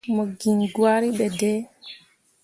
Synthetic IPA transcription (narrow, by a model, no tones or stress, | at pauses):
mɔɡiŋɡwaɾiɓɛdɛː